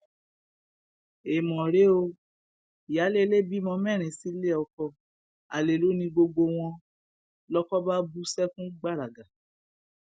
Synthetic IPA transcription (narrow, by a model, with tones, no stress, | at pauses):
e˨mɔ̃˨ɾe˨˦o˧ | i˨ja˨˦le˦le˦bi˦mɔ̃˧mɛ˦˨ɾ̃ĩ˨si˨˦le˦ɔ˧kɔ˧ | a˨le˨lo˨˦nĩ˧ɡ͡bo˧ɡ͡bo˧w̃ɔ̃˧ | lɔ˦kɔ˦ba˦bu˦sɛ˦kũ˦ɡ͡ba˦˨ɾa˨ɡa˨